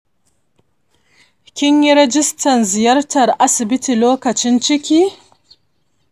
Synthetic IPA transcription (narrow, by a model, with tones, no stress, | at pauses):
kʲɪ˦ɲji˦ɾɛ˦d͡ʒɪ˦stɐ˨nzɪ˨jɐ˦ɾtʰɐ˨ɾʔa˦sɪ˨bɪ˦tʰi˨loː˦kɐ˨t͡ʃɪ˦nt͡ʃɪ˦kʲiː˦